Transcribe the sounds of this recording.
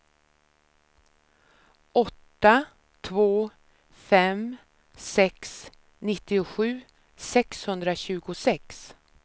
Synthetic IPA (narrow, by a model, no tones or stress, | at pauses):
ʔɔt̪ːa | t̪ʰvoː | fɛm | sɛks | nɪt̪ːɪʊɧʉ̟ː | sɛkshɵnd̪ɾaɕʉ̟ːɡʊsɛks